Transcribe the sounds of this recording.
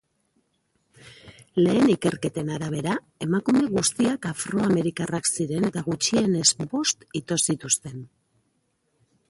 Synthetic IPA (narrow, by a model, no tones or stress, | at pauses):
le̞ːnike̞ɾke̞t̪e̞naɾaβ̞e̞ɾa | e̞makume̞ɣust̪iakafɾo̞ame̞ɾikaraksiɾe̞ne̞t̪aɣut͡ʃie̞ne̞zbo̞st̪it̪o̞sit̪ust̪e̞n